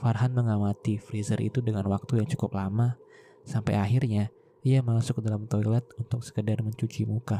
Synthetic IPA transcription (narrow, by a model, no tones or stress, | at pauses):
farɦanməŋamat̪ifɾizərʔḭt̪udəŋanwak̚t̪ujaŋt͡ʃu̥kʊplama | sampa̰jaɦirɲa | ʔijamasʊk̚dalamt̪oilɛt̪̚unt̪ʊksə̥kədarməɲt͡ʃut͡ʃimuka